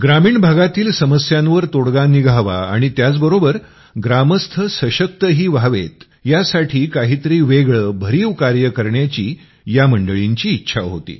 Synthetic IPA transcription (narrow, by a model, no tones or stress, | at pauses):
ɡɾamiːɳbʱaɡat̪iːlsəməsjãnʋəɾt̪oɽɡaniɡʱaʋa̰a̰ɽ̃it̪jat͡sbəɾobəɾ | ɡɾaməst̪ʰəsəɕək̚t̪əɦiːʋaʋet̪ | jasaʈʰiːkaɦiːt̪əɾiːʋeɡɭəbʱəɾiːʋkaɾjəkəɾɳjat͡ɕiː | jaməɳɖəɭiɲt͡ɕiːtːɕʰa̰ɦo̰t̪ḭː